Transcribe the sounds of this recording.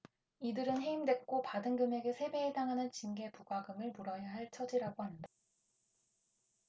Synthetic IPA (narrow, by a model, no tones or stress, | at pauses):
idɯɾɯnɦe̞imdwek͈opadɯŋɡɯme̞ɡe̞sʰe̞be̞ːdaŋɦanɯnt͡ɕinɡe̞puɡaɡɯmɯɭmuɾʌjaɦaɭt͡ɕʰʌd͡ʑiɾaɡoɦanda